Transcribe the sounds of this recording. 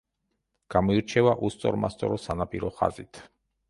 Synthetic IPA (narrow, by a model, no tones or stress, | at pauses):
ɡ̥amɔiɾt͡ʃʰɛvaʔust̪sʼɔ̰ɾmast̪sʼɔ̰ɾɔsanapʼiɾɔχa̰zit̪ʰ